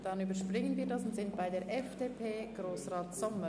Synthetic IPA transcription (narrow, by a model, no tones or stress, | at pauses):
d̥ɑnyːbəɾʃpʁɪŋənviːɐdɑsʊntsɪnt̚baɪdeːɾʔɛfd̥eːpʰeːɡ̥ɾoːsʁaːtsɔmə